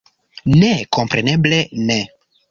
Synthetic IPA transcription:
neko̞mpɾeneblene

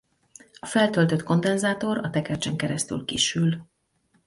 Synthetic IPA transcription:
ɒfɛlt̪ølt̪ø̞t̪ko̞nd̪ɛnzaːt̪o̞ɾɒt̪ɛkɛrt͡ʃɛŋkɛɾɛst̪y̰lkḭːʃyl

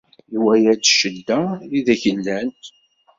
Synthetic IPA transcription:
iwæjæd̪ʃəd̪ːæiðæçəlːænt̪

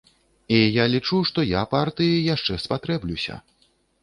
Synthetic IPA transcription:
ijalʲit͡ʂuʂt̪ɔjapart̪ɨjijaʂt͡ʂɛspat̪ɾɛblʲusʲɐ̰

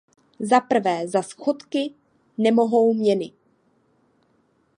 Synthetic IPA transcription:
zapr̩vɛːzasxot̪kɪ | nɛmo̞ɦowmɲɛnɪ

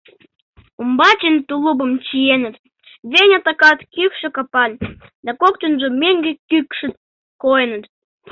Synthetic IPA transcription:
umbɑt͡ɕent̪ulubəmt͡ɕijenə̆t̪ | βenʲɑt̪ɑkɑt̪kykʃĕkɑpɑlʲd̪ɑkokt̪ənʒomeŋɡĕkykʃə̆ | kojənə̆t̪

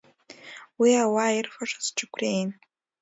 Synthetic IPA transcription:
wiawairfaʂʷḁzʈ͡ʂʰʼɨkʷʰrejn

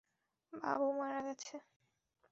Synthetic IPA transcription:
ba̰bumaɾaɡɛt͡ɕʰe

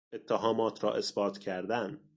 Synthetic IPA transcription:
et̪ʰːæɦɒːmɒːt̪ʰɾɒ̰ːʔe̞sbɒːt̪cʰæɾd̪æn

